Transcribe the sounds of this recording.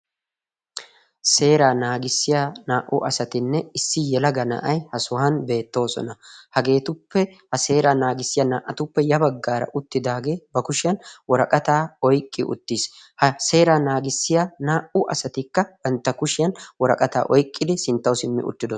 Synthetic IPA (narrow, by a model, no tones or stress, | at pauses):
se̞ːɾaːnaːɡɪsːɪjanaːʔʊ̰ʔɐsɐt̪ɪnːɛɪsːɪjɛlɐɡɐnɐ̰ʔɐjhɐsʊhɐnbe̞ːt̪ːo̞ːsɔ̰nɐhɐɡe̞ːt̪ʊpːɛhɐse̞ːɾaːnaːɡɪsːɪjanaːʔɐt̪ʊpːɛjɐbɐɡːaːɾɐ̰ʔʊt̪ːɪd̪aːɡe̞ːbɐkʊʃɪjɐnwɔɾɐkʼɐt̪aːɔjkʼːɪʔʊ̰t̪ːis | hɐse̞ːɾaːnaːɡɪsːɪjanaːʔʊʔɐsɐt̪ɪkːɐb̥ɐnt̪ːɐkʊʃɪjɐnwɔɾɐkʼɐt̪a̰ːʔɔjkʼːɪd̪ɪsɪnt̪ːɐwsɪmːɪ̰ʔʊ̰t͡ʃ̪ːɪd̪ɔ